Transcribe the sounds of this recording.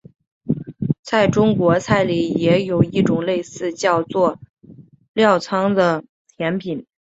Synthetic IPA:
t͡sʰa˥˩ɪʈ͡ʂʊ˥ŋkwɔ˧˥t͡sʰa˥˩ɪli˨˩jɛ˧˥jo˨˩ʊi˥˩ʈ͡ʂʊ˨˩ŋle˥˧ɪsɹ̩˥˧t͡ɕjɑ˥˧ʊt͡swɔ˥˩ | ljɑ˥˩ʊt͡sʰɑ˥ŋd̪ə˨ | t̪ʰjɛ˧˥npʰi˨˩˦n

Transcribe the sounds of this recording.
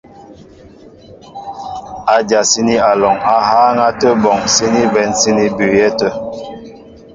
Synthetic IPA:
a˨d͡ʒa˨si˦ni˦a˨lɔ˨ŋa˨haː˦ŋa˦tə˦bɔ˨ŋsi˦ni˦bɛ˨nsi˦ni˦bʉ˨jɛ˦tə˦

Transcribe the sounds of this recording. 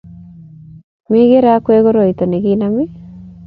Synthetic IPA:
mɪ˦ɣe˦ɾa˦kwe˦ɣo˦ɾo˨i˨t̪o˨ne˨ɣi˦nami˦

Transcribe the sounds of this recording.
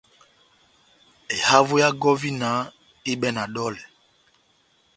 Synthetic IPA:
e˨ha˦vu˦ja˦ɡɔ˦vi˦na˨˦ | i˦ɓɛ˦na˨ɗɔ˦lɛ˨

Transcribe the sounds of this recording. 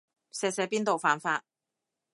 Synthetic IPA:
sɛː˧sɛː˨˧˥piː˥nt̪o˨wfaː˨˧nfaː˧t̚

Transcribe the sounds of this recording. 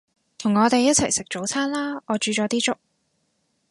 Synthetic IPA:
t̪ʰʊ˨˩ŋɔː˨˧t̪e˨jːɐ˥t̚t͡sʰɐ˨˩jsɪ˨k̚t͡ʃo˨˥wt͡sʰaː˥nlaː˥ɔː˨˧t͡ʃyː˨˧t͡ʃɔː˨˥t̪iː˥t͡ʃʊ˥k̚

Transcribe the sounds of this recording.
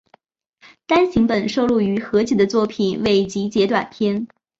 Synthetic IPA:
t̪a˥nɕi˧˥ŋpə˨˩nʂo˥˧ʊlu˥˩y˧˥xɤ˧˥t͡ɕʰi˥˩d̪ə˦t͡swɔ˥˩pʰi˨˩nwe˥˩ɪt͡ɕi˧˥t͡ɕjɛ˧˥t̪wa˨˩np̪ʰjɛ˥n

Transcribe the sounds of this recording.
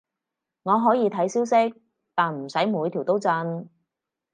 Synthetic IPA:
ŋɔː˨˧ɦɔː˨˥jiː˨˧t̪ʰɐ˨˥jsiː˥wsɪ˥k̚ | t̪aː˨nm̩˨˩sɐ˨˥jmuː˨˧jt̪ʰi˨˩wt̪o˥wt͡sɐ˧n

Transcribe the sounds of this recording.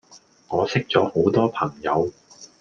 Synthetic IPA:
ŋɔː˨˧sɪ˥k̚t͡sɔː˨˥ho˨˥wt̪ɔː˥pʰɐ˨˩ŋjɐ˨˧w

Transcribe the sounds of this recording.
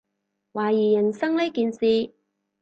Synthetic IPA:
waː˨˩jiː˨˩jɐ˨˩nsɐ˥ŋle˥jkiː˧nsiː˧

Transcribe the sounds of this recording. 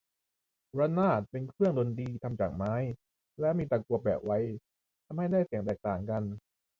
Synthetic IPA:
ɾa˧˥naː˥˩t̪̚pe˧nkʰɾɯ˥˩əŋdo˧ndiː˧t̪ʰa˧mt͡ɕa̰ː˨˩k̚maː˦˥j | lɛː˦˥wmiː˧t̪aː˨˧˩ku˧˩əp̚bɛ̰ː˨˩p̚wa˦˥j | t̪ʰa˧mha˥˩jdaː˥˩jsi˨˩˦ŋt̪ɛː˨˩k̚t̪aː˨˩ŋka˧n

